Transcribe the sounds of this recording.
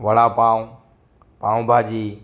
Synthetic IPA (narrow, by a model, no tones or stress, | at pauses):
ʋəɽaːpaːũ | pãːũbʱaːd͡ʒiː